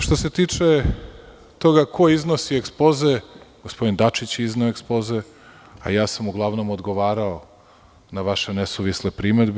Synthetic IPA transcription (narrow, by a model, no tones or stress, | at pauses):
ʃt̪o̞set̪iːt͡ʂe | t̪o̞ɡakʰo̞izno̞siekspo̞zeɡ̥ospo̞d̪ind̪at͡ʃit͡ɕiznaoekspo̞ze̞ | a̰jaːsamuɡlˠaʋno̞mod̪ɡo̞ʋaːɾao | naʋaʃe̞nesuʋisnepɾiːmed̪b